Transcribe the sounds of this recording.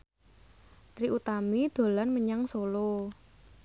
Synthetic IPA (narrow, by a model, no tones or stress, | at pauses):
t̪ɾiʔut̪amid̪̥o̤lanməɲaŋsolo